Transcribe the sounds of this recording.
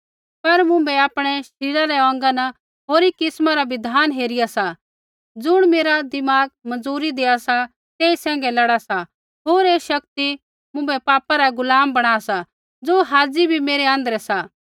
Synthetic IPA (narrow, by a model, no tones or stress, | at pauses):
pɐɾmʊ̃mbɛaːpɽ̃ɛʃɪɾaɾɛɔ̃ːŋɡanɐ | ɦoːɾikɪsmaɾabɪd̪ʱaːnɦeːɾɪjasa | d͡zʊɽ̃meːɾad̪ɪmaːɡ̚mɐ̃nd͡zuːɾid̪eːasa | t̪eːisɛ̃ːŋ̆ɡɛlɐɽasa | ɦoːɾeːʃɐkt̪i | mʊ̃mbɛpaːpaɾaɡʊlaːmbɐɽ̃aːasa | d͡zoːɦaːd͡zibʱimeːɾɛɐ̃nd̪əɾɛsa